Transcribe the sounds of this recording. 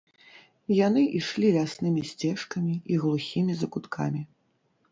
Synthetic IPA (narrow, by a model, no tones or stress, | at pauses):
jan̪ɨʔiʂlʲilʲasnɨmʲisʲt͡sʲɛʂkɐmʲiiɣlˠuxʲimʲizɐkut̪kʰa̰mʲi